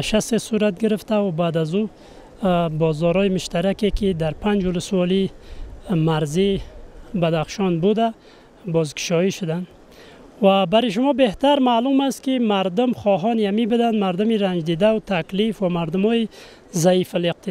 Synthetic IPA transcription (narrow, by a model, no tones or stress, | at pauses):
ʃast̪esuɾat̪̚ɡiɾɪft̪aubad̪azu | bɔzɔɾɔimʊʃt̪aɾakekid̪aɾpʰand͡ʒulʊswɔli | maɾzi | bad̪aχʃɔnbud̪a | bɔzkʰɪ̥ʃɔiʃʊd̪an | vabaɾiʃ̬ʊmɔbeht̪aɾmalumast̪kimaɾd̪ʊmχɔɦɔniamibud̪and̪maɾd̪umiɾand͡ʒd̪id̪at̪ʰaklifvamaɾd̪ʊmɔi | zaifaleq̚t̪ʰi